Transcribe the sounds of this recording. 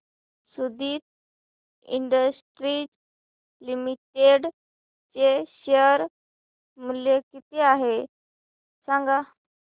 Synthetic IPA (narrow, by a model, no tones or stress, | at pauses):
sud̪iːt̪̚ | ḭɳɖəsʈɾid͡z | limiʈeɖ | t͡ɕeɕəəɾ | muljekit̪eaɦe | sãŋɡa